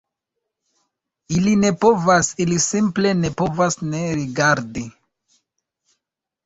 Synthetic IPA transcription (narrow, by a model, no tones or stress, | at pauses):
iline̞po̞vasilisimple̞ne̞po̞vasne̞ɾiɡaɾdi